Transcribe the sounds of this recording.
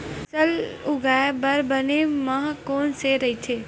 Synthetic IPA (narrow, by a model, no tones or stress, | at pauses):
səlʊɡaːebɐɾbɐnemaɦkoːnseɾɐɦit̪ʰeː